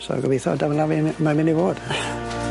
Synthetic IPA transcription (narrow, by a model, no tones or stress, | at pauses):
so̰ɡəvejθɔ̰davlavɪnmavɪnivoːd̥